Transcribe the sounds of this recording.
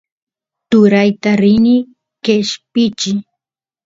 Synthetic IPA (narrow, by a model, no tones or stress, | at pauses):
t̪ʊɾajt̪aɾɪnɪ | keʃpɪt͡ʃɪ